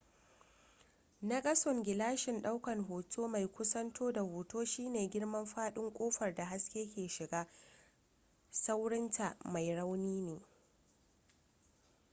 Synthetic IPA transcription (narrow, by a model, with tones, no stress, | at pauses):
na˦kʼɐ˦sʊ˨ŋɡʲɪ˨laː˦ʃɪ˨nɗa˦wkɐ˨ŋɦoː˨tʰoː˦ma˨jkʷʊ˦sɐ˦ntʰoː˦da˨hoː˨toː˦ʃiː˦neː˨ɡʲɪ˦ɽmɐ˦mɸaː˦ɗɪ˦ŋkʷʼoː˦ɸɐ˨rda˨ɦa˦skʲeː˦kʲeː˨ʃɪ˨ɡaː˦ | sa˦wɽɪ˦ntʰa˨ma˨jɽa˦wniː˦neː˨